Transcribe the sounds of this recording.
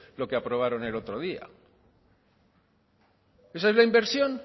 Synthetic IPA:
lo̞keapɾo̞β̞aɾo̞ne̞lo̞t̪ɾo̞ðia̰ | e̞s̬aezlaimbe̞ɾsjo̞n

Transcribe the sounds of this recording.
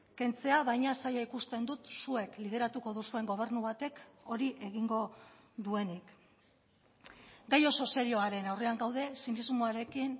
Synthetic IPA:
ke̞nt͡se̞aβajɲasajaikust̪e̞nd̪ut̪sue̞klið̞e̞ɾat̪uko̞ðusue̞ŋɡo̞β̞e̞ɾnuβat̪e̞ko̞ɾiʔe̞ɣiŋɡo̞ | ðue̞nik | ɡajo̞so̞se̞ɾio̞aɾe̞nawre̞aŋɡawðe̞sinizmoaɾe̞kin

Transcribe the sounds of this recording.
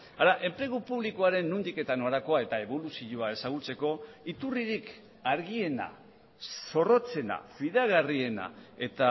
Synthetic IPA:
aɾaʔe̞mpɾe̞ɣupuβ̞likoaɾe̞nːund̪ike̞t̪ano̞ɾako̞ae̞t̪ae̞βo̞lusiʎoae̞saɣ̞ut͡se̞ko̞it̪uriɾik | aɾɣie̞na̰ | so̞ro̞t͡se̞na̰fiðeaɣarie̞na̰e̞t̪a

